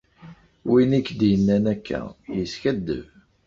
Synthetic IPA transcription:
winikːd̪jənːænækʰːæ̰jəsçæd̪ːə̰v

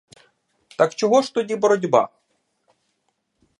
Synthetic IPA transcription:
t̪ɐkt͡ʃɔɣɔʂt̪ɔdʲibɔɾɔdʲba̰

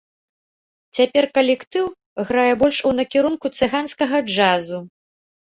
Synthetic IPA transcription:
t͡sʲapʲɛrkɐlʲɛkt̪ɨw | ɣɾajɛbɔlʲʂunɐkʲiɾunkut̪sɨɣanskɐɣɐd͡ʐazu

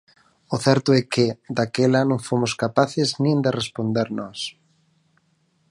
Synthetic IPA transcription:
ʊθɛɾt̪ʊɛkɪd̪akelɐnõŋfomʊskapaθɪznĩnd̪ɪrespond̪eɾnɔs

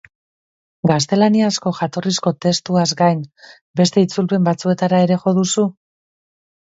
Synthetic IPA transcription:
ɡast̪e̞laniasko̞ʝat̪o̞risko̞t̪e̞st̪uazɡajn | be̞st̪e̞it͡sulpe̞mbat͡sue̞t̪aɾae̞ɾe̞ʝo̞ðusu

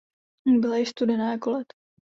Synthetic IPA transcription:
bɪlajɪst̪udɛnaːjakolɛt̪

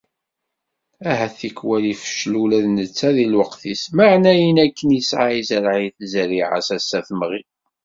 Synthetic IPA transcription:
æɦæθikwælifə̥ʃlulæðnət͡sːæðilwəqθisməʕnæjənækːənjisʕaizəɾʕiθzəɾiʕa̰sæsːæθmʁi

